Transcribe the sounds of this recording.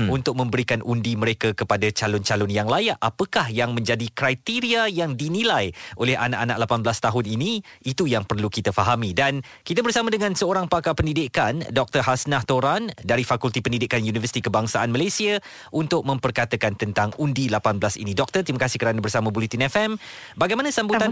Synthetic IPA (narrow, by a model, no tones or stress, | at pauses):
unt̪ʊk̚mə̃mbəɾikanʔundiməɾekakəpadat͡ʃalʊnt͡ʃalʊnjaŋlajaʔapəkahjaŋmə̃ɲd͡ʒadikɾajt̪iɾiajaŋdinilajʔolɛha̰naʔanaʔlapanblast̪aɦʊniniit̪ujaŋpərlukit̪əfaɦamidan | kit̪abərsamadəŋãnsəoɾaŋpakapəndidikandɔk̚t̪ərɦasnaht̪oɾandaɾifakult̪ipənidɪkanjunivərsi̥t̪ikəbaŋsaʔanmalasia | ʔunt̪ʊk̚mə̃mpərkat̪əkant̪ənt̪aŋundilapanbəlasḭnĩdɔk̚t̪ərt̪iməkasɪhkəɾanəbərsamãbulit̪inɛfɛmbaɡajmanasambut̪an